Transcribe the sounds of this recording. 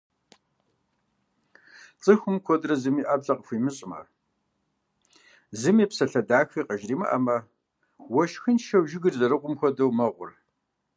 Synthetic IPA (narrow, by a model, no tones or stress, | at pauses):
t͡sʼɨxʷʊmkʷʰɔdrɐzɨmiːʔaːbɮɐqʼəxʷiːmɨɕʼɪmɐ̰ | zɨmiːpsɐɬɐdaːxiːqɐʒriːmɐ̰ʔɐ̰mɐ | wɔʃxɨnʃɐwʒɪɡɨrzɐɾɨqʷʊmxʷɔdɐwmɐʁʷʊ̰r